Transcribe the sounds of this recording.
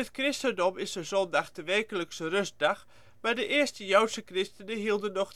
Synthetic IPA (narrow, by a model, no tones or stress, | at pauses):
ətkrɪstəndɔmɪsdəzɔndaxdəʋɛrkələksərøst̚dax | madəʔɪəstəjœwtsəkrɪstənəɦiəlˠdənːɔx